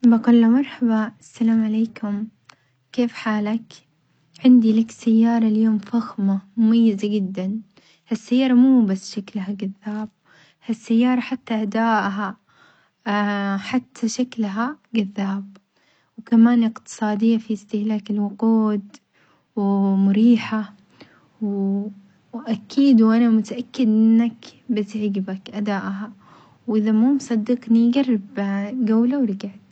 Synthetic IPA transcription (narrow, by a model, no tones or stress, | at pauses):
baqulːamɑɾˤħabɑʔasːalaːmʕaleːkʊm | keːfħaːlak | ʕɪnd̪ilaksajːɑːɾˤɑljoːmfaxmamʊmajːɪzaɡɪd̪ːan | hasːajːɑːɾˤɑmuːbasːʃaklhaɡaðːaːb̚ | hasːajːɑːɾˤɑħat̪ːaʔad̪aːʔɦa | ħat̪ʰːaʃaklɦaɡaðːaːb | wkamaːnʔɪqt̪ɨ̥sˤɑːd̪ɪjːafiɪst̪ɪhlaːkɪlwʊquːd̪ | wmʊɾiːħa | w | ʔakʰiːd̪wʔanamʊt̪aʔakːɪd̪ʔɪnːakbɪt̪ʕɪɡbakʔad̪aːʔɦa | wʔɪðamuːmsˤɑd̪ːɪqniɡɑrːɪbɡawlawɾɪɡaʕd̪